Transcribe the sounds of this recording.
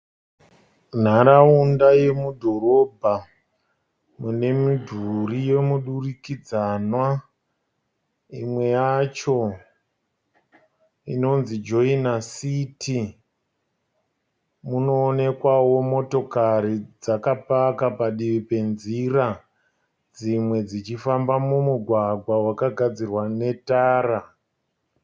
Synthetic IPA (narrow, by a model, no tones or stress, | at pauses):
n̤aɾaundaje̞mudʱo̞ɾo̞ːbʱa | mune̞midʱurije̞muɗurikid͡zanwa | imwe̞jat͡ʃo̞ | ḭno̞nzid͡ʒo̞inasitʰi | muno̞ːne̞kwawo̞mo̞to̞kaɾid͡zakapakapaɗiʋipe̞nzira | d͡zimwe̞d͡zit͡ʃifambamumuɡʱwaɡʱwawakaɡʱad͡zirwane̞taːra